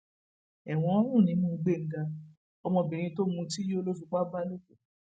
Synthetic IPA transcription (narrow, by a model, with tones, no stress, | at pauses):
ɛ˨w̃ɔ̃˧ɔ˦ɾ̃ũ˦˨nĩ˨˧˦nũ˦˧ɡ͡be˦˨n̩˨˦da˧ | ɔ˧mɔ̃˧˨bĩ˨ɾ̃ĩ˧to˦mũ˧ti˦jo˦lo˦s̬u˧k͡pa˦ba˦lo˦ko˨